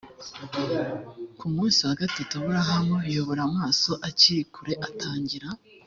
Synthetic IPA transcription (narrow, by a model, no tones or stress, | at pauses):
kumũːnsihaɡatitaβuɾaɦamwejo̞βo̞ɾamŋaːso̞ʔaciɾikuɾe̞ʔatʰaːɲɟiɾa